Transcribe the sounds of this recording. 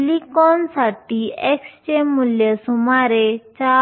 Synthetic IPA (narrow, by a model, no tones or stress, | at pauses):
likɔnsaʈiːekst͡ɕemːuljəsumaɾet͡ɕa